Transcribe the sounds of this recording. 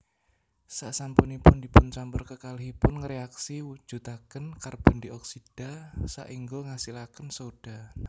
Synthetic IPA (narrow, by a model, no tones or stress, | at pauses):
saʔsampunipʊndipʊnt͡ʃampʊrkəkalɦipʊnŋəɾeaksiwu̥ʒ̥ut̪akənkarb̥ɔ̤ndiʔɔksid̥a̤sa̰ʔiŋɡoŋasilakənsod̥a